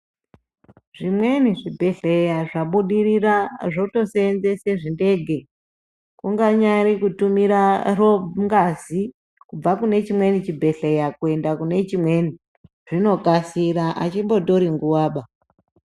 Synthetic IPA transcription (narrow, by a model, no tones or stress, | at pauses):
ʐ̥imwe̞niʐibʱe̞ɬejaʐaɓuɗiriraʐouto̞seːnzeseʐinde̞ːɡʱe̞ | kuŋɡaɲaɾikutumiɾaroŋɡazi | kub͡vakune̞t͡ʃimwe̞nit͡ʃibʱe̞ɬejakue̞ndakune̞t͡ʃimwe̞ni | ʐ̥ino̞kasiɾaʔat͡ʃimbo̞to̞ɾiŋɡuwaːɓa